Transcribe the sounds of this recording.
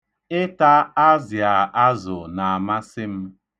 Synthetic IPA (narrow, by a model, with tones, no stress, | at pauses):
ɪ˦ta˦a˦zja˨a˦zʊ˨na˨a˨ma˦sɪ˦m̩˦